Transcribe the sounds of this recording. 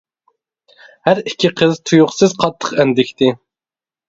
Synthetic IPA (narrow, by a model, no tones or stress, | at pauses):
hæɾikʲʰːiqʰəzt̪ʰujʊχsɨzqʰɑt̪ʰːə̥qænd̪ɪkʲt̪ʰɪ